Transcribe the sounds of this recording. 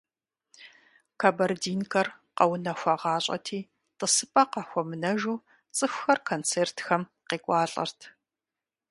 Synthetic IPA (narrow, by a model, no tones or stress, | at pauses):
kʰɐbɐrdiːnkʰɐr | qɐwnɐxʷɐʁɑːɕʼɐ̰tʰiː | tʼəsɨpʼɐqɑxʷɔmɨnɐʒuː | t͡sʼɨxʷxɐrkʰoːnt͡sʰeːrtʰxɐm | qeːkʷʼɑːɬʼɐ̰rtʰ